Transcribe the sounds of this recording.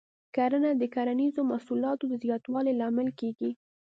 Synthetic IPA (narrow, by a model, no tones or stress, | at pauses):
kaɾənad̪əkaɾanizomasulɑt̪od̪əzjɑt̪wɑlelɑmɪlkeɡi